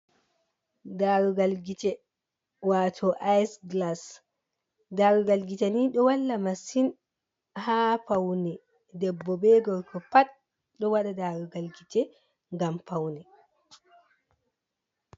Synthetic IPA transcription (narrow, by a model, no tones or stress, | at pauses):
daːɾuɡalɡit͡ʃɛ | waːtʰɔʔajsɡlas | daɾuɡalɡitaniɗɔwalːamasin | hapawnɛ | dɛbːɔbɛɡɔɾkʰɔpat | ɗɔwaɗadaːɾuɡalɡit͡ʃɛ | ŋɡampawnɛ